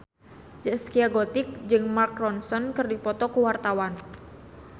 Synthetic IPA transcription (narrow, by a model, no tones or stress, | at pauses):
d͡ʒɛskiaɡɔt̪ɪk̚d͡ʒɨŋmark̚rɔnsɔnkɨrdipɔt̪ɔkuwart̪awan